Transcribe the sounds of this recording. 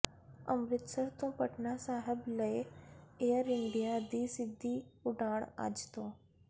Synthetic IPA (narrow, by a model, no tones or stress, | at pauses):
əmɾɪt̪səɾt̪õpəʈnasaːɦəbləeeəɾɪɳɖijad̪iːsɪd̪ʱːiʊɖaːɽ̃a̰ːd͡ʒt̪oː